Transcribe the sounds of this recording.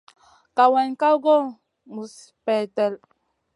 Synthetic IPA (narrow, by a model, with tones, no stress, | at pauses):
ka˨wɛ˨nka˦wɡɔ˦ | mu˨s | pɛ˨tɛ˨l